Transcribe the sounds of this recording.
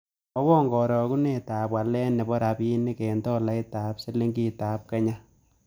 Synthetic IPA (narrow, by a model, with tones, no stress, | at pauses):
ɔ˦wɔ˦ŋɡɔ˨ɾɔ˨ku˦ne˦˨taː˨pwa˨lɛ˦nɛ˨bɔ˦ɾa˨bi˦nːi˦kɛ˨ntɔ˦la˦ɪ˦taː˨˦pse˦le˦ŋɡi˦taː˨p̚kɛ˦ɲa˦